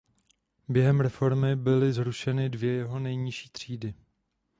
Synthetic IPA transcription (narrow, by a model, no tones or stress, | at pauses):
bjɛɦɛmɾɛfo̞ɾmɪbɪlɪzɾuʃɛnɪdvjɛjɛɦo̞nɛjɲɪʃiːt̪r̝̥iːdɪ